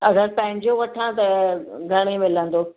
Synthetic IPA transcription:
ɐɡəɾpɐ̃ɦɪ̃ɲd͡ʑoʋɐʈʰãt̪ɐɡʱɐɽ̃emɪlə̃nd̪oː

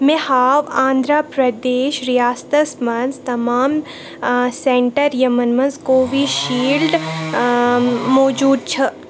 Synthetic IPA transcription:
mẽhaːʋãːnd̪ɾaːpɾɐd̪eːʃɾijaːst̪əsmɐnst̪ɐmaːm | sẽɳʈəɾjɐmənmɐnskoʋʱiʃiːlɖ̪ | mɔːd͡ʒuːd̪̚t͡ʃʰɐ

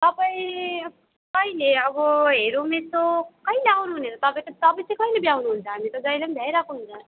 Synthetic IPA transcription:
t̪ʌpaĩ | kʌileʌbʌɦeɾumet̪okʌileawnuɦunet͡sʌt̪ʌpãĩt̪ʌt̪ʌpaĩt͡sʰãjkʌilebiawnuɦunt͡sʰʌɦamit̪od͡zʌjlʌmdʱajɾakuɦunt͡sʰʌ

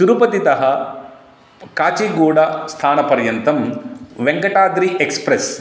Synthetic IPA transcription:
ʃuɾupɐt̪it̪ɐɦɐ | kaːt͡ʃiɡoːɽɐst̪ʰaːnɐpɐɾjɐnt̪ɐmʋeŋɡɐʈaːd̪ɾiʔekspɾes

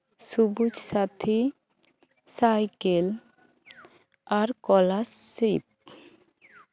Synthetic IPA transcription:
subud͡ʑsat̪ʰi | sajkel | aɾkɔlasːip̚

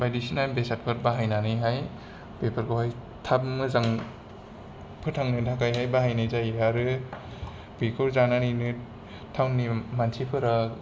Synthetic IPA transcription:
bajdisinabesat̚kʰɯɾ̚baɦajnanɯjɦaj | bepʰɯɾkʰohaj | tʰabmɯzaŋ | pʰɯtʰaŋnɯtʰakajɦajbaɦajnɯjzajaɾɯ | bikʰɯɾzananinɯ | tʰawnːimansʰipʰɯɾa

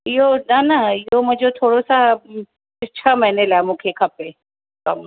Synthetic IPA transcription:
ɪɦonanaɪɦomʊ̃d͡ʑot̪ʰoːɽosa | ɪt͡ʃʰəmɐɦnelaːmũːkʰekʰɐpe | kɐm

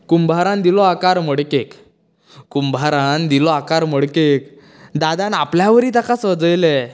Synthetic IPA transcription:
kumbʱaɾãnd̪ilɔakaɾm̤əɽkek | kumbʱaɾãnd̪ilɔakaɾm̤əɽkek̚ | d̪ad̪anapljaʋəɾiːt̪akasəd͡zəjle

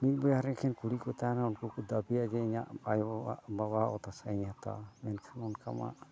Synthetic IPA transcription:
milbɔjaɾɛ̃kʰɛnkuɽikɔt̪anaunkukud̪abijad͡ʒɛiɲa̰ʔaja̰ʔbabaɔ̰t̪asaiɲat̪a̰mɛnkʰɛnɔnka̰ma̰ʔ

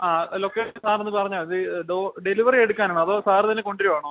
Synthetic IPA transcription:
aːlokːesaːrenːɨpɐrɐɲːaːlɐðɨɖoːɖeliʋɐrieɽukːaːnaːɳɨɐðo̞ːsaːrɨt̪ɐnːeko̞ɳɖiɾuʋaːɳo

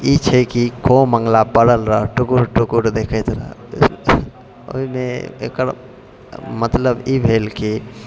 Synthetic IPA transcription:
it͡ʃʰɛkikʰomə̃ŋɡlabəɽəlɾaʈukuɾʈukuɾd̪ekʰɛt̪ɾa̰ | o̰imẽḛkəɾ | mət̪ləbibʱelki

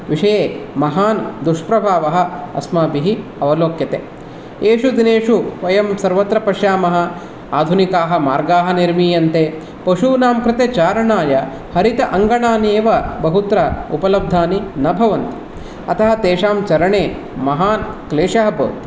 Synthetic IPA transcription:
ʋiʂɐjeːmɐɦaːnd̪uʂpɾɐbʱaːʋɐɦɐ̆ɐ̰smaːbiɦiɐʋɐloːkjɐt̪ḛː | eːʂud̪ineːʂuʋɐjɐmsɐɾʋɐt̪ɾɐpɐʂjaːmɐɦɐ̆ | aːd̪ʱunikaːɦɐmaːɾɡaːɦɐniɾmiːjɐnt̪eː | pɐʂuːnaːmkɾɪt̪eːt͡ʃaːɾɐɳaːjɐ | hɐɾit̪ɐʔɐŋɡɐɳaːneːʋɐbɐɦut̪ɾɐupɐlɐb̚d̪ʱaːninɐbʱɐʋɐnt̪i̥ | ɐt̪ɐɦɐ̆t̪eːʂaːmt͡ʃɐɾɐɳeː | mɐɦaːnkleːʂɐɦɐbɐ̰t̪

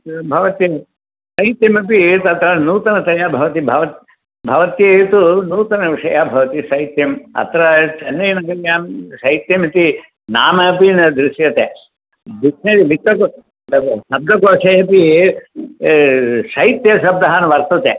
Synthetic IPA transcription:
bʱɐʋɐt̪jɐ | sɐjit̪jɐmɐpit̪ɐt̪ɾɐnuːt̪ɐnɐt̪ɐjaːbʱɐʋɐt̪ibʱɐʋɐt̪ | bʱɐʋɐt̪jɐt̪unuːt̪ɐnɐʋiʂɐjaːbʱɐʋɐt̪isɐjt̪jɐmɐ̰t̪ɾɐt͡ʃɐnːɐjnɐɡɐɾjaːnsɐjt̪jɐmɐt̪i | naːmɐpinɐd̪ɾuʃjɐt̪eː | b̪it̪ɐiʋit̪ɐko | sɐb̚d̪ʱɐkoːʂɐjɐpi | sɐjit̪jɐsɐb̚d̪ɐɦanʋɐɾt̪ɐt̪eː

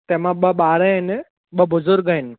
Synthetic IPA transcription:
t̪eːmãɓɐɓaːɾən | ɓɐbʊzʊɾɡ̚əɪnɪ

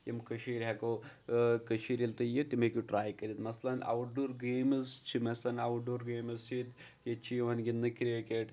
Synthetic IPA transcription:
jimkɐʃiːɾɦeko | kəʃiːɾilt̪ɨjit̪imekʲuʈɾaːjkɐɾʲit̪mɐslɐna̰wʈ̚ɖoːɾɡeːmɨst͡ʃʰimɐslɐnawuʈ̚ɖoːɾɡeːmɨzit̪ | jet͡ʃʰiʋɐnɡʲinːɨkɾekeʈ

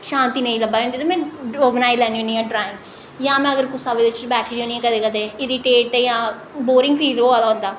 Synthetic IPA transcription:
ʃãːnt̪iːnəĩːləbaːõnd̪iːt̪oːmɛ̃ːoːɡnaːilɛːniɦoːniːɛ̃ːɖɾaːɪ̃ŋɡ | jãːmɛ̃ːəɡəɾkʊsaːʋed̪et͡ʃbɛːʈʰːiɦõːniːɛ̃ːkəd̪eːkəd̪eːɪɾiːʈeːʈ̪ejãː | boːɾɪ̃ŋɡpʰiːloːaːlaːɦõːnd̪aː

